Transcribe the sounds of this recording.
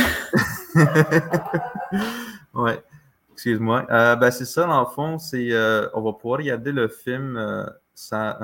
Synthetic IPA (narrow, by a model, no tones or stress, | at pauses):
wɛ | ɛkskʲyzmwaʔəbɛsɛsad̪ɑ̃ləfɔ̃sɛøɔ̰̃vapuvwaːʁɡaʁd̪eləfɪlmø̰ | sɑ̃